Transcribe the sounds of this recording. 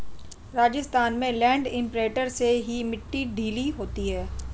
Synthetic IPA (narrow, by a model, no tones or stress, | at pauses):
ɾaːd͡ʒɪst̪aːnmẽlɛ̃ːɳɖɪ̃mpɾeːʈəɾseɦimɪʈːiɖʱiːliɦoːt̪iɦɛː